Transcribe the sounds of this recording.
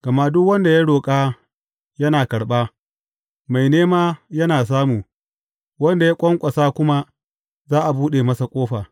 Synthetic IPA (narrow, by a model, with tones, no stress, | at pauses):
ɡ̥ɐ˨ma˦ʔdʊ˦kwɐ˦nda˨ja˦ɽoː˨kʼaː˦ | jɐ˦naː˨kɐ˨ɽɓaː˦ | ma˨jneː˦maː˦jɐ˦naː˨s̬aː˦muː˨ | wɐ˦nda˨ja˦kʷʼɔ˦ŋkʷʼɐ˨saː˦kʷʊ˦ma˦ | zaː˦ʔa˨buː˦ɗeː˨mɐ˦sa˨kʷʼoː˦ɸaː˨